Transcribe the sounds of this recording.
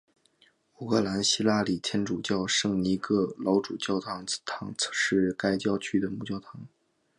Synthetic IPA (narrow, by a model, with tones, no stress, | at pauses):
u˨˩kʰɤ˥˩la˧˥nɕi˥la˥˩li˨˩t̪ʰjɛ˥nʈ͡ʂu˨˩t͡ɕjɑ˥˧ʊʂɤ˥˩ŋni˧˥kɤ˥˩lɑ˧˥ʊʈ͡ʂu˨˩t͡ɕjɑ˥˩ʊt̪ʰɑ˧˥ŋt̪ʰɑ˧˥ŋʂɻ̩˥˩ka˥ɪt͡ɕjɑ˥˧ʊt͡ɕʰy˥d̪ə˨mu˥˧˩t͡ɕjɑ˥˩ʊt̪ʰɑ˧˥ŋ